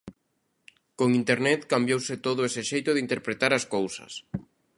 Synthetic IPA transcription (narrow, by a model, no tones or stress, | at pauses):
koŋint̪eɾnɛt̪kambjowsɪt̪oðʊesɪʃejt̪ʊðɪint̪eɾpɾet̪aɾɐskowsɐ̰s